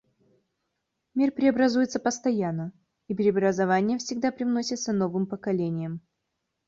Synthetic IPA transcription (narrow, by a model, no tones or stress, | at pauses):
mʲirpʲɾʲɪɐbɾɐzujɪt̪səpəst̪ɐjanːə | ipʲɪɾʲɪɐbɾəzɐvanʲɪjəfsʲɪɡ̚d̪apɾʲɪvno̞sʲɪt̪səno̞vɨmpəkɐlʲenʲɪjəm